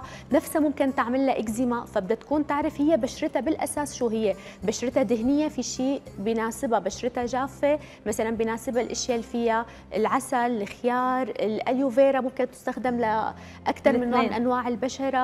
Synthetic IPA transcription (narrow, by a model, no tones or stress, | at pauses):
nafsamʊmkɪnt̪ɪʕmalːaʔɪɡzɪmafabɪd̪at̪ḁkuːnt̪ɪʕɾɪfhɪjːebaʃɾˤɪt̪abɪlʔasaːsʃuːɦɪjːe | baʃɾɪt̪ad̪ɪɦnɪjːefiʃiːʔbɪnaːsɪbabaʃɾɪt̪aʒaːfːe | masalanbinaːsɪbalʔɪʃjalifɪjːa | ʔɪlʕasalɪxɪjɑːɾˤɪlʔaljuveːɾamʊmkɪnt̪ɪ̥st̪axd̪ɪmla | ʔakt̪ɑɾˤmɪnːoːʕnʔanwaːʕɪlbaʃɑɾˤɑ